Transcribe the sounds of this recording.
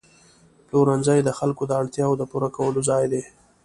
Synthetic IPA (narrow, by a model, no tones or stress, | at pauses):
ploɾanzajd̪əxalkod̪əaɽt̪jɑwd̪əpuɾakawəlozɑjd̪e